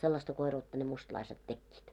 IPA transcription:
selːɑstɑ koiruːtːɑ ne mustɑ̆lɑiset tekːiːt

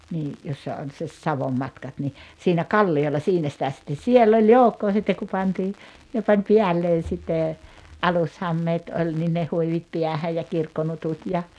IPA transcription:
niː josːɑ on se sɑʋomːɑtkɑt ni siːnæ kɑlːiolːɑ siːnæ sĭtæ sitːen̞ sielː olʲ joukːoː sitːek ku pɑntiː hyø pɑnʲ piælːeːn̞ sitːeˑ ɑlushɑmːeːt olʲ nin ne huiʋit piæhæj jɑ kirkːonutut jɑ

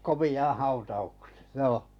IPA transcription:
komiɑ̃ˑ hɑutɑukse̥ joːh

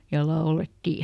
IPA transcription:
jɑ lɑoletːi

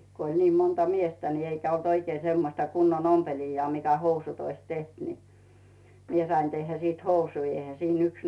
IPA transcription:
ko olʲ niː montɑ miestæ ni eikæ olt oikei semːostɑ kunːon ompeliːjːɑː mikæ housut ois teht ni mie sɑin tehːæ siˑt housui eihæ siːn yks

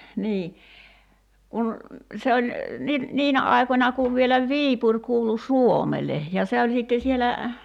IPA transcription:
niː kun se olʲ ni niːnæ ɑˑi̞konʲɑ kuʋ ʋielæ ʋiːpurʲ kuːlu suomele jɑ se olʲ siˑtːe sielæ

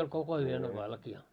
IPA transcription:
olʲ koko yøn o ʋɑlkiɑ

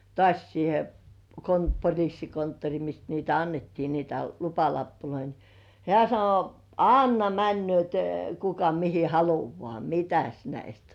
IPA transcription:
tŏɑˑsʲ siːhe kon polʲisːi kontːori mist niːtæ ɑnːetːiː niːtæ lupɑlɑpːuloi ni hĕæˑ sɑno ɑnːɑ mænːy̆øˑt kukɑ mihi hɑluʋŏɑˑ mitæs næist

